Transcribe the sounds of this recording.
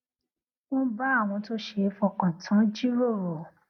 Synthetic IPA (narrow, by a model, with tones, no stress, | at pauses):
wɔ̃˦ba˦a˦˨w̃ɔ̃˧to˦ʃe˧˦fɔ˧˨kɔ̃˨tʰã˨˦d͡ʒi˦ɾo˦˨ɾɔ˨